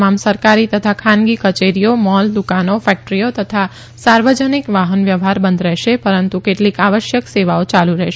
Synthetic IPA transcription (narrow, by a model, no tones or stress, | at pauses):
mamsəɾkaɾit̪ət̪ʰakʰanɡikət͡ʃeɾijomɔld̪ukanofɛk̚ʈɾijot̪ət̪ʰa | saɾʋəd͡ʒənikʋaɦənʋjəʋɦaɾbənd̪ɾɛɦʃepəɾənt̪ukeʈlikaʋəʃjəkseʋaot͡ʃaluɾɛɦʃ